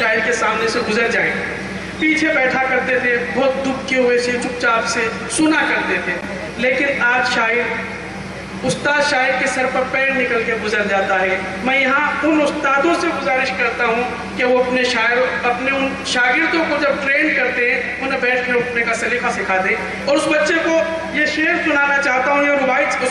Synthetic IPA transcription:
ʃaːɪɾkesaːmneseɡʊzəɾd͡ʒaːẽ | piːt͡ʃʰebɛːʈʰakɐɾt̪et̪ʰebɔːt̪̚d̪ʊkʰkeɦʊeset͡ʃʊk̚t͡ʃaːpse | sʊnakɐɾt̪et̪ʰe | leːkɪnaːd͡ʒʃaːɪɾ | ʊst̪aːd̪ʃaːɪɾkesɐɾpɐɾpɛ̃ːɽnɪkəlkeɡʊzəɾd͡ʒaːt̪aɾɛ | mɛ̃ːjɐɦãʊnʊst̪aːd̪õseɡʊzaːɾɪʃkɐɾt̪aɦũ | keʋoɐpneʃaːɾɐpneʊn | ʃaːɡɪɾt̪õkod͡ʒɐb̚ʈɾeːnkɐɾt̪eɦɛ̃ | ʊnẽbɛːʈʰeʊʈnekasɐliːkasɪkʰaːd̪ẽ | ɔːɾʊsbɐtːʃeko | jeʃeːɾsʊnaːnat͡ʃaːɦt̪aɦũjeɾʊbaːɪʊ

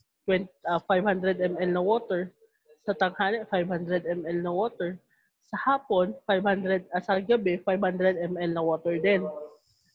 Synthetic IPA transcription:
t̪wɛnɐfajb̚hand̪ɾɛd̪ʔɛmʔɛlnɐwoːt̪ɛɹ | sɐt̪ɐŋhaːnɛʔfajb̚hand̪ɾɛd̪ʔɛmɛlnɐwoːt̪ɛɹ | sɐhaːponfajb̚hand̪ɾɛd̪̚ɐsɐɡɐbɛfajbhand̪ɾɛd̪ɛmʔɛlnɐwoːt̪ɛɹd̪ɛn

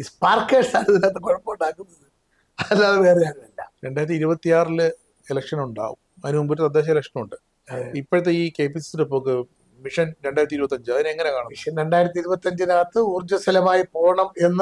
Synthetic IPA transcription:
ispaːrkːeɖsaːlɐt̪ːinaːt̪ːɨkoɻɐpːouɳɖaːkːunːɐðɨ | ɐɐlːaːðɨʋeːrijaːnnɐlːɐ̰ɾe̞ɳɖaːjiɾɐt̪ːiɾubɐt̪ːijaːrilɨ | elɐkʂɐnuɳɖa̰ːʋṵm | ɐðinɨmumboɾɨt̪ɐd̪ːe̞ːɕ̬ɐelɐkʂɐnuɳɖɨ | ipːoɻɐt̪̬ːeiːkeːpisi̥silopːoːk̬ːɨ | miʂɐnɾeɳɖaːjɾɐt̪ːiɾubɐt̪ːɐɲd͡ʑɨɐðineŋːɐne̞kaːɳɐmiʂɐnɾe̞ɳɖaːjiɾɐt̪ːiɾubɐt̪ːɐɲd͡ʑɨnaːt̪ːɨuːrd͡ʑɐsɐlɐmaːjipo̞ːɳɐme̞nːɐ

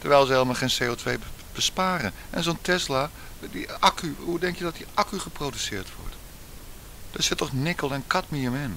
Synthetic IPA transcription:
təɹʋɛjlˠzəɪlˠəmaχeːnsejotʰʋejb̥əspaːɾənʔɛnzontʰɛsla | diakyudɛŋkjədɔt̚diʔakyχəprodysɪːɹtʋɔ̰ɹt | d̥ɔsɪtɔχnɪkəlˠɛnkatmiəmɪn

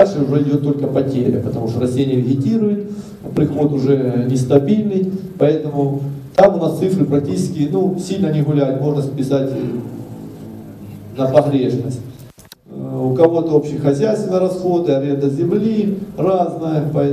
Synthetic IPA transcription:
alʲʂɨʊʐɛɪdʲot̪ːo̞lʲkəpɐtʲelʲɪ̰pət̪ɐmuʂt̪oɾɐsʲtʲenʲɪjəvʲɪɣʲɪtʲiɾʊjɪt̪ | pɾʲɪxo̞t̪ʊʐɛnʲɪst̪ɐbʲilʲnɨjpɐɛt̪əmʊt̪amʊnast̪sɨfɾɨpɾɐk̚tʲit͡ɕɪskʲɪnusʲilʲnənʲɪɣʊlʲæjʊt̪mo̞ʐnəsʲpʲɪsatʲ | nəpɐɣɾʲe̞ʂnə̰sʲt̚ʲ | ʊkɐvo̞t̪əo̞pɕɪxɐzʲæjst̪vʲɪnəjəɾɐsxo̞d̪ɨɐɾʲend̪əzʲɪmlʲiraznəjəpɐɛ

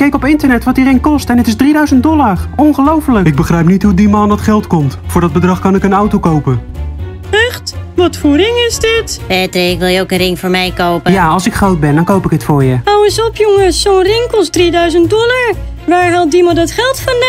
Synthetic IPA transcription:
kɛjkɔpɪntəɹnɛtʋɑt̚dirɪŋkɔstɛnɪtɪzdridœɥzənt̚dɔlaɹɔnχəlowfələkɪɡ̚bəχrɛjp̚nitɦudimaːndɑtχɛlˠtkɔmtfʊːɹdɑd̚bədrɑχkɑnɪkənawtowkowpə | ɛχtʋɔtfuɾɪŋɪzdɪtbɛtɪkʋɪlˠjəowkənrɪŋfʊːɹmɛjkowpəjaːɑlˠsɪkχrowd̚bɛndɑnkowpɪkɦətfʊːɹjəawəsɔpjɔŋəsonrɪŋkɔstdridœɥzəntdɔlˠaɹ | ʋaːɹɦɑlˠt̚dimadɔtχɛlˠtfɔna

